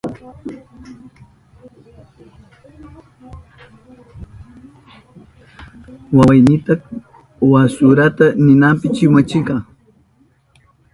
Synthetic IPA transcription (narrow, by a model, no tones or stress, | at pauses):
wawajnɪt̪ɑk | wasʊɾat̪anɪnampɪt͡ʃɪmat͡ʃɪkɑː